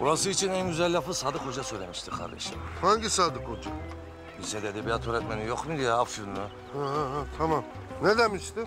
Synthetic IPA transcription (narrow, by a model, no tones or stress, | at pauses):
buɾasɯit͡ʃʰinænɟyzælʲːafɯ̥saːd̪ɯkho̞d͡ʒasøjlʲemiʃt̪ʰikʰa̰ɾd̪ḛʃḭmhaɲɟisaːd̪ɯkhod͡ʒa | isɛd̪ed̪ebijat̪ʰoɾɛt̪̚menijoqmud̪ijaafunːu | haɦaɦat̪ʰamam | ned̪ɛmiʃt̪ɪ